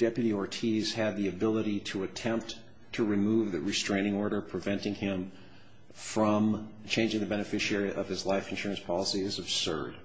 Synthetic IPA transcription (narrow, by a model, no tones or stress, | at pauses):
d̥ɛpjɨɾiə˞tʰiz̥ɨd̪̚ðiɨbɪlˠəɾiɾəɨtʰɛ̃mp̚ | tʰɨɹimuvðɨɹɨstɹ̥ẽɪ̃ɾ̃ɪ̃ŋɔɹɾə˞pʰɹ̥ɨvɛ̃ntɪ̃ŋɪ̃ɱ | fɹʌ̃m | t͡ʃʰẽɪ̃nd͡ʒɪ̃ŋðɨbɛñɨfɪʃiɛɹiʔʌv̥ɨzlaɪfɨ̃nʃʊɹɨ̃nspʰɑlˠəsiɪzɨb̥sɜ̰˞d̥